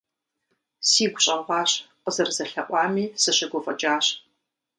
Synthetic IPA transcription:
siːɡʷʊɕʼɐʁʷɑːɕqəzɐrzɐɬɐʔʷɑːmiːsɨɕɐɡʷɔfʼɐt͡ʃʼaːɕ

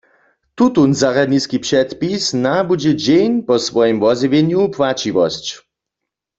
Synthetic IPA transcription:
t̪ut̪unzaʁad̪niskipʂɛt̪pisnabud͡ʑɛd͡ʑejnpɔsʋɔjɛmvɔzivjeɲjupwat͡ɕiʋɔ̰st͡ɕ

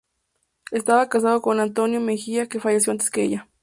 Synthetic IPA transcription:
e̞st̪aβakas̬aðo̞ko̞nant̪o̞njo̞mexiake̞faʝes̬jo̞ant̪eskeḛʝa

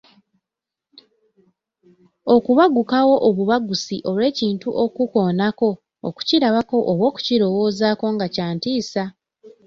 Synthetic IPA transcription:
o̞kuβaɡukawo̞ʔoβuβaɡusiʔo̞lwe̞ːciːntuʔo̞kuko̞ːnako̞̰ː | ku̥ciɾaβako̞ʔoβwo̞ːku̥ciɾo̞wo̞ːzako̞ŋɡacaːntiːsa

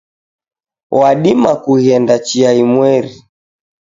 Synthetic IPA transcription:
waɗimakuhiɛndat͡ʃiaimwɛɾi

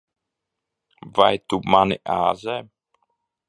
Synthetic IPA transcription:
va̰jt̪umanɪʔaːzɛ

